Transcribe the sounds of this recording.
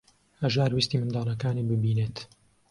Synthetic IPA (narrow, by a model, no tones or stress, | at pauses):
ɐʒaːɾwist̪iːmɨnd̪ɑːlˠɐkaːniːbɨbiːnet̪